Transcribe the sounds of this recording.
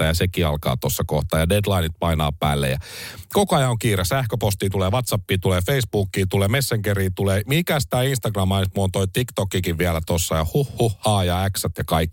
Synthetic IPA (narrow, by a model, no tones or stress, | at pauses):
ɑjɑsekiɑ̰lkɑ̰ːt̪osːɑkoht̪ɑːjɑdedlɑinit̪̚pɑinɑ̰ːpæ̰ːlːḛjɑ̰kokoɑjɑoŋkiːɾesæhkøpost̪iːt̪uleːʋɑt̪sɑpːiːt̪uleːfeisb̥uːkːiːt̪uleːmesːeŋkeɾiːt̪uleːmikæst̪æːinst̪ɑɡrɑmːɑnt̪muont̪oit̪ikt̪okːikiʋʋiælæt̪osːɑjɑhuhːuhːɑːjɑæksæt̪jɑkɑikː